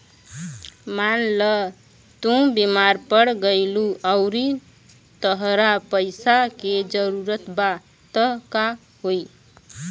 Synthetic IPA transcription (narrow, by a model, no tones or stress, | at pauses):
manlə | t̪ũbimaɾpəɽɡəjluʔəʊɾi | t̪əɦɾapəjsaked͡ʒəɾuɾət̪ba | t̪əɦka | ɦoj